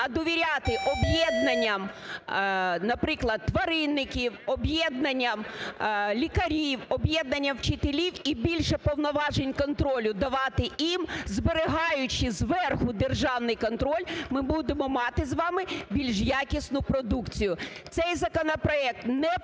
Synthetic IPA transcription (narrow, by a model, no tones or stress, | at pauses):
ɐd̪ɔʋʲiɾʲat̪ɪʔɔbjɛd̪nɐnʲːɐm | nɐpɾɪklˠɐd̪̚ːʋɐɾɪnːɪkʲiwɔbjɛd̪̚nɐnʲːɐm | lʲikɐɾʲiwɔbjɛd̪nɐnʲːɐwt͡ʃɪt̪elʲiwibʲilʲʃɛpɔwnɔʋɑʒenʲkɔnt̪ɾɔlʲʊd̪ɐʋɑt̪ɪʔimzbeɾeɦɑjʊt͡ʃɪzʋɛrxʊd̪erʒɑwnɪjkɔnt̪ɾɔlʲmɪbud̪emɔmɑt̪ɪzʋɑmɪbʲilʲʒjakʲisnʊpɾɔd̪ukt͡sʲijʊt̪sɛjzɐkɔnɔpɾɔɛk̚t̪nɛ